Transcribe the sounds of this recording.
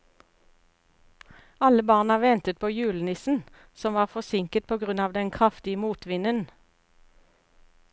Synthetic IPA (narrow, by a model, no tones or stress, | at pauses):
ɑləbɑːʁnɑʋɛnt̪ət̪̚pʰoːjʉːlnɪsn̩ | sɔmʋɑːʁfɔsɪŋkət̪̚pʰoːɡʁʉnɑːʋd̪ɛnkʰʁɑft̪ɪəmuːt̪ʋɪnən